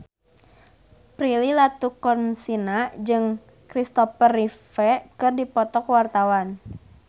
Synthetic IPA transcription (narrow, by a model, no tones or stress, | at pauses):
pɾililat̪ukɔnsinad͡ʒɨŋ | kɾist̪ɔfərifɛkɨrdipɔt̪ɔkwart̪awan